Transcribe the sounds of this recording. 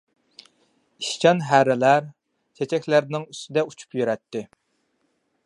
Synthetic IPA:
iʃt͡ʃʰɑnɦæɾɪlæɾ | t͡ʃʰet͡ʃʰɛkʲlæɾnɪŋyst̪ɪd̪ɛut͡ʃʰu̥pjyɾɛt̪ːɪ

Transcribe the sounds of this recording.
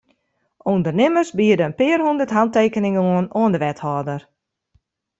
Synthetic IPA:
ʔundərnɪmərsbiədəənpɪərɦundərtɦanteːkənɪŋəoənoəndəʋɛthɔːdər

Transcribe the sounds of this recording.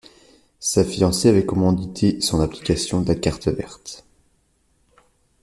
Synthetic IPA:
safiɑ̃seavɛkɔmɑ̃d̪it̪ʰesɔ̃napli̥kʲasjɔ̃d̪akaʁt̪əvɛ̰ʁt̪

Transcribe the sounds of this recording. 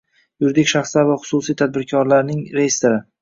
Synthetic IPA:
jʊɾd̪ɪkʲʃaχslaɾvaχʊ̥susijt̪ʰad̪̚bɪɾkʲʰɒɾlaɾnɪŋɾejɪst̪ɪɾɪ

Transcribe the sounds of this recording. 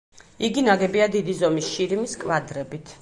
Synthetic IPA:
iɡinaɡɛbiad̪id̪izɔmisʃiɾimiskʼvad̪ɾɛbit̪ʰ

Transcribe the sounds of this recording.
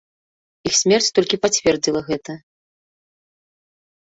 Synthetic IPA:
ixsʲmʲɛrt͡sʲt̪ɔlʲkʲipat͡sʲvʲɛrd͡zʲilˠɐɣɛt̪ɐ

